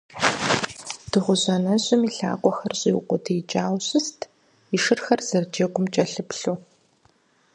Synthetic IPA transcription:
d̥ɨʁʷʊʑɐnɐʑʼɪmiɬa̰ːqʷʼɔxɐrɕʼiw̰qʷʊdʰeːt͡ʃʼaːwɕɨstʰ | iʃɨrxɐrz̥ɐrd͡ʒɐɡʷʊmt͡ʃʼɐɬɨpɬuː

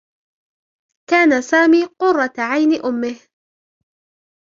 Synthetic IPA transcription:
kaːnasaːmiːqʊrˤːɑt̪ʕajnɪʔʊmːɪh

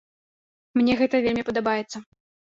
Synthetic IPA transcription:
mnʲɛɣɛt̪ɐvʲelʲmʲipɐd̪abajɛt̪sːɐ

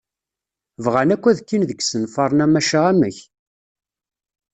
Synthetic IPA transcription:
vʁænækʷːæðkːinðəɡsənfɑɾˤnæmæʃaʁæməç

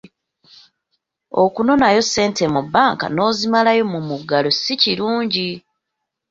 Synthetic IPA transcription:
o̞̰kuno̞najo̞se̞ːnte̞mubːaːŋka̰no̞ːzimalajo̞mumuɡːalosiciɾuːɲɟi

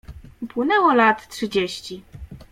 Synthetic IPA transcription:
upwɘnɛwɔlat̪tʂɘd͡ʑeɕt͡ɕi

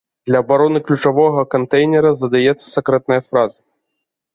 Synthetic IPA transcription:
d̪lʲɐːbaɾɔnɨklʲut͡ʂavɔɣɐkant̪ɛjnʲɛɾɐzɐd̪ajɛt̪sːɐ̥sʲakɾɛt̪̚nɐjɐfɾazɐ

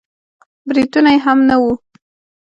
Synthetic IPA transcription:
bɾid̪unajeɦamnawu

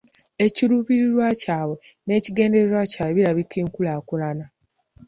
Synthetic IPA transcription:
e̞ciɾuβiɾiɾwacaːβe̞ne̞ːciɡe̞ːnde̞ɾeɾwacaːβeβiɾaβikiːŋkulaːkulana

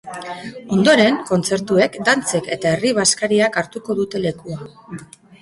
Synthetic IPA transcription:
o̞nd̪o̞ɾe̞ŋko̞nt͡se̞ɾt̪ue̞kd̪ant͡se̞ke̞t̪ae̞riβ̞askaɾiakaɾt̪uko̞ðut̪e̞le̞kua

